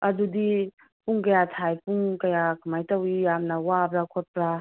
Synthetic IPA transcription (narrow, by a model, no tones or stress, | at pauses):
ɐdudi | puŋkɐjatʰajpuŋkɐjakʰamajtɐwijamnɐwabɾakʰot̚pɾa